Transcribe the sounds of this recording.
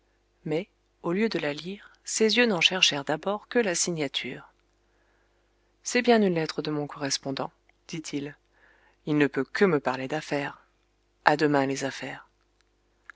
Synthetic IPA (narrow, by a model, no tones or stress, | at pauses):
mɛ | oljød̪əlaliʁsezjønɑ̃ʃɛʁʃɛʁd̪abɔʁkəlasiɲat̪ʰy̰ːʁ | sɛbjɛ̃nynlɛt̪χəd̪əmɔ̃kɔʁɛspɔ̃d̪ɑ̃ | d̪̥it̪ʰil | ilnəpøkʰəməpaʁled̪afɛːʁ | ad̪əmɛ̃lezafɛːʁ